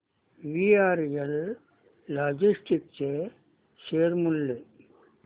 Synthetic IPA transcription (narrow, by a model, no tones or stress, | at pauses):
ʋiaːɾjelː | aːd͡ʒisʈik̚t͡ʃe | ʃeːɾmulːe